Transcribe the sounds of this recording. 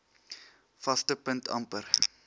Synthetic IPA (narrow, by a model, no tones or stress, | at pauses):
fɐstəpəntʰɐ̰mpər